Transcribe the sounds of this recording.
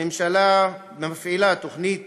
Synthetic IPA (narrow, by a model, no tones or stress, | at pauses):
emʃala | meafilat̪o̞χnit̪̚